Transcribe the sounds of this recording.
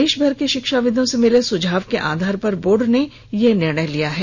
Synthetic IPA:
eːʃbʱɐɾkeʃɪkʃaʋɪd̪ʱõsemɪlesʊd͡ʒʱaːʋkeʔa̰ːd̪ʱaːɾpɐɾboːɖne | jenɪɾɳ̃əjlijaɦɛː

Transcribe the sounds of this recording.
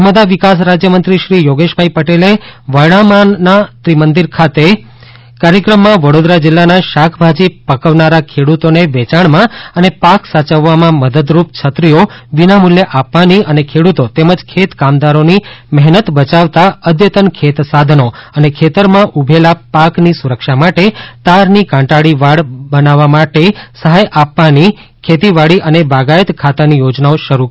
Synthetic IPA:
əɾməd̪aʋikas̬ɾad͡ʒjəmənt̪ɾiʃɾijoɡeʃbʱaɦipəʈeleʋəɭ̃amanːat̪ɾimənd̪iɾkʰat̪e | kaɾjəkɾəmːãʋəɽod̪ɾad͡ʒɪlːanaʃakʰbʱad͡ʒipəkəʋnaɾakʰeɽut̪oneʋɛt͡ʃaɳmãənepaksat͡ʃəʋːamãməd̪əd̪ɾup̚t͡ʃʰət̪ɾijoʋinamuljəʔapʋaniʔənekʰeɽut̪ot̪eməd͡ʒkʰet̪kamd̪aɾonimɛɦnət̪bət͡ʃaʋt̪aəd̪jət̪ənkʰet̪sad̪ʱənoənekʰet̪əɾmãʔubʱelapaknisuɾəkʃamaʈet̪aɾnikãɳʈaɽiʋaɽbənaʋːamaʈesəɦajʔapːani | kʰet̪iʋaɽiʔənebaɡajət̪kʰat̪anijod͡ʒnaoʃəɾu

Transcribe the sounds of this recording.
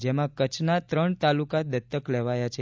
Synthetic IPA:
d͡ʒemãkət͡ʃʰnat̪ɾəɳt̪alukad̪ət̪ːəkleʋajat͡ʃʰe

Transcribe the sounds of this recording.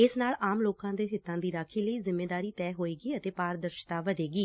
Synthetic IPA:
ɪsnaːlaːmloːkãːd̪eːɦɪt̪ːãːd̪iːɾaːkʰiːləiːzɪmːeːd̪aːɾiːt̪ɛːɦoːiːɡiːət̪eːpaːɾd̪əɾʃt̪aːʋəd̪eːɡiː

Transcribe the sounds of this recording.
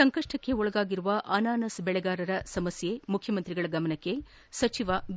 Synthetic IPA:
ɐŋkɐʂʈɐkːe̞ɔɭɐɡaːɡiɾuʋɐʔaːnaːnɐsbɛɭɛɡaːɾɐɾɐsɐmɐsjemukʰjɐmɐnt̪ɾiɡɐɭɐɡɐmɐnɐkːe̞ | sɐt͡ʃiʋɐ

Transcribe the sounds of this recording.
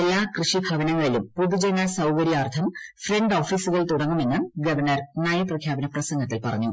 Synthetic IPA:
elːaːkrɨʂibʱɐʋɐnɐŋːɐɭilumpoðud͡ʑenːɐsɐwkɐɾjaːrt̪ʰɐmfreɳɖo̞ːfiːsuɣɐɭt̪uɽɐŋːumenːɐɳɡɐʋɐrnɐrnɐjɐprɐkʰjaːbɐnɐprɐsɐŋɡɐt̪ːilpɐrɐ̰ɲːu

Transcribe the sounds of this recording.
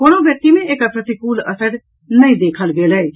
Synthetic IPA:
koːnõʋjək̚t̪imẽʔekəpɾət̪ikuːlə̰səɖ | nɐĩd̪eːkʰəlɡeːle

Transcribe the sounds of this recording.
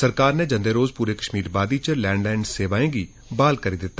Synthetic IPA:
səɾkaːɾneːd͡ʒə̃nd̪eːɾoːzpuːɾeːkə̥ʃmiːɾbaːd̪iːt͡ʃəlɛ̃ːɳɖlɛ̃ːɳɖseːʋaːẽːɡiː | baːlkəɾiːd̪ɪt̪ː

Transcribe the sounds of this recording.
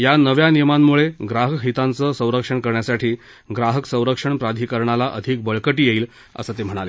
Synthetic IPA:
janəʋjanijəmamːuɭeɡɾaɦəkɦit̪ant͡səsə̃w̃ɾəkʂəɳkəɾɳjasaʈʰiː | ɡɾaɦəksə̃w̃ɾəkʂəɳpɾad̪ʱiːkəɾɳalaʔəd̪ʱik̚bəɭkəʈiːjeiːl | ə̰sət̪em̤əɽ̃ale

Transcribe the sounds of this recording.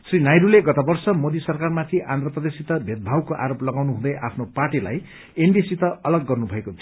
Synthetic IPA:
srinajɾuleɡʌt̪abʌrsʌmod̪isʌrkarmat̪ʰiʔãnd̪rʌprʌd̪esit̪ʌbʱet̪̚bʱawkoʔa̰ɾoplʌɡawnuɦũd̪ʌjʔa̰pʰnopaʈila̰j | enɖisit̪ʌʌlʌɡːʌrnubʱʌekot͡sʰ

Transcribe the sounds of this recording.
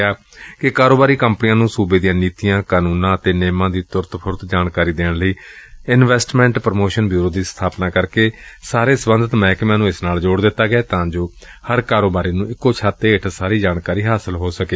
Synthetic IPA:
aː | kɪkaːɾoːbaːɾiːkəmpnijãːnũːsuːbeːd̪ijãːniːt̪ijãːkaːnuːnãːət̪eːneːmãːd̪iːt̪ʊɾt̪pʰʊɾt̪d͡ʒaːɳkaːɾiːd̪eːɳləiː | ɪnʋɛːsʈmɛ̃ːɳʈpɾəmoːʃənbjuːɾoːd̪iːst̪ʰaːpnaːkəɾkeːsaːɾeːsəbənd̪ət̪mɛ̃ːkmɛ̃ːnũːɪsnaːld͡ʒoːɽd̪ɪt̪ːaːɡəɛːt̪ãːd͡ʒoː | həɾkaːɾoːbaːɾiːnũːɪkːoːt͡ʃʰaːt̪ːeːɪʈʰsaːɾiːd͡ʒaːɽkaːɾiːɦaːsəlɦoːsəkeː

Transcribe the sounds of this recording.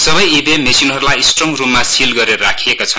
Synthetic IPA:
sʌbʌjibemesinɦʌɾulajisʈrʌmrummːasilɡʌɾeɾʌɾakʰijekot͡sʰʌn

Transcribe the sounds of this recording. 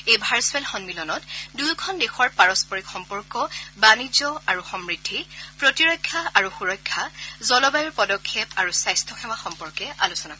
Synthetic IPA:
ejbʱaɹswɛlxɔnmilɔnɔtdujkʰɔndexɔɹpaɹɔspɔɹikxɔmpɔɹkɔbanid͡ʒɔaɹuxɔmɹidʰʱipɹotiɹɔjkʰːaaɹuxuɹɔjkʰːazɔlɔbajɔɹpɔdɔkʰːepaɹusajstʰɔxʰɛmaxɔmpɔɹkɛʔa̰lusɔnakɔ

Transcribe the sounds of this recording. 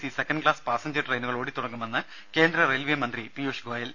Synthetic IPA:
sisekːɐnɖɨkɭaːspaːsɐɲd͡ʑɐʈrɐjnuɣɐɭoːɽit̪uɽɐŋːumenːɨ | ke̞ːnd̪ɾɐrelʋiemɐnd̪ripijuːʂɡoːjɐl

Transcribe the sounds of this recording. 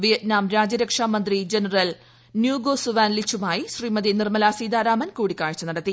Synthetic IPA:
ʋijɐtnaːmɾaːd͡ʑɐɾɐkʂaːmɐnd̪rid͡ʑenɐrɐl | njuːɡoːsuʋaːnlit͡ɕʰːumaːjiɕriːmɐd̪inirmɐlaːsiːd̪aːɾaːmɐnkuːɽikːaːɻt͡ɕːɐnɐɽɐt̪ːi

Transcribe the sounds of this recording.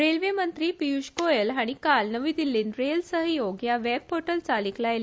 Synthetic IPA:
ɾelʋemənt̪ɾiːpijuɕkojelɦaɽ̃ikalnəʋiːd̪ilːiːnɾelsəɦjoɡjaʋɛb̚hoʈəlt͡saliklajel

